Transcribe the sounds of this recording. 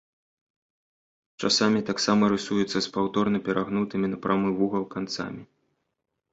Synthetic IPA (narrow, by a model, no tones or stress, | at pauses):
t͡ʂasamʲit̪aksamɐɾɨsujut̪sːɐspawt̪ɔrnɐpʲɛɾʔaɣnut̪ɨmʲinɐpɾʔamɨvuɣɐlˠkant̪sa̰mʲi